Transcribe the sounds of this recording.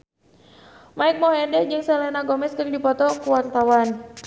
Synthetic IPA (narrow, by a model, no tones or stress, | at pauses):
maik̚mɔɦɛndɛd͡ʒɨŋsɛlɛnaɡɔmɛskɨrdipɔt̪ɔkuwart̪awan